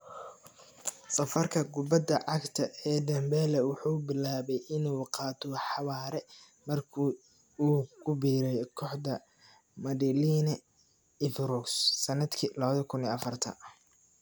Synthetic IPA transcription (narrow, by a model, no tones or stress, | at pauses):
sɐfɐrkʰɐɡʊbɐd̪ɐʕɑɡt̪ʰɐʔɛːd̪ɐmbɛːlɛwʊħuːbɪlaːβɛjʔɪnuːqɑːt̪ʰɔħɑβaːɾɛ | mɐrkʰuː | kʰʊbiːɾɛjkʰɔħd̪ɐ | mɐd̪ɛliːnɐ | ɪfɾɔksːɐnɐd̪kʰiːlɐβɐðɐkʰʊniːɐfɐrt̪ʰɐ̰